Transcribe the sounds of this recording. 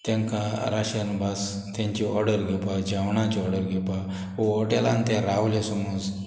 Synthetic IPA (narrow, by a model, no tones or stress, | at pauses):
t̪ãŋkaɾaɕənbas | t̪jãɲt͡ɕiɔɾɖəɾɡʱɛpad͡ʑawɳat͡ɕiɔɾɽəɾɡʱɛpa | oɔʈelãnt̪ɛɾaʋlesɔmud͡z